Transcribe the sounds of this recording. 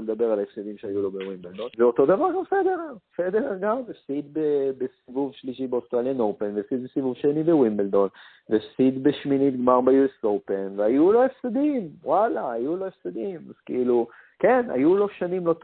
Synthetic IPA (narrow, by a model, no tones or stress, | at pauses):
led̪abe̞ʁalefsed̪imʃeajulo̞bewimbeld̪onveo̞t̪o̞d̪avaʁɡamfed̪eʁefed̪eʁaɡamefsid̪bebesivuvʃliʃibeost̪ʁaljanowpenvefsid̪̚besivuvʃenibewimbeld̪o̞n | vefsid̪beʃminit̪̚ɡmaʁbejuesowpe̞nveajulo̞efsed̪imwalaːjulo̞efsed̪imaz̥keilu | kena̰julo̞ʃanimlo̞t